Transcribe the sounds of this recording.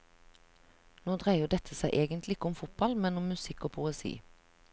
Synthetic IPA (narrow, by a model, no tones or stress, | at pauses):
noːd̪ʁæɪəɖ̪ɛt̪ʰəsæɪʔeːɡənt̪lɪɪkəʊmfʊt̪̚bɑlmɛnʊmmʉsɪkoːpʰʊɛsḭː